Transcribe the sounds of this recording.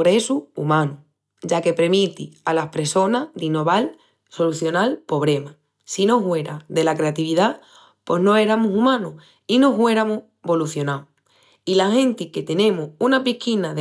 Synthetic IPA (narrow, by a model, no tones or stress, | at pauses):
ɣɾe̞suumãnu | ʝake̞pɾemit̪ialahpɾe̞so̞naðino̞βal | so̞luθjo̞nalpo̞β̞ɾe̞ma | sino̞ɦwe̞ɾad̪e̞lakɾe̞at̪iβiða | po̞nõ̞e̞ɾamusumãnu | ino̞ɦwe̞ɾamu | βo̞luθjo̞naw | ilahẽ̞nt̪ike̞t̪e̞nẽ̞muunapikinað